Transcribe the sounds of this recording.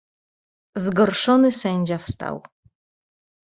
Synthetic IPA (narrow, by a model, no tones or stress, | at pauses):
zɡɔɾʂɔnɘsɛɲd͡ʑafst̪a̰w